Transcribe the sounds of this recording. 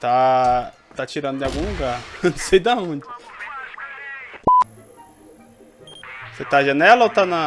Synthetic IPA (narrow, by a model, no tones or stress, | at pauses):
t̪a | t̪at͡ʃiɾãnd̪ʲaɡũɡansejd̪aũnd̪ʲi | set̪aʒanɛlawt̪ana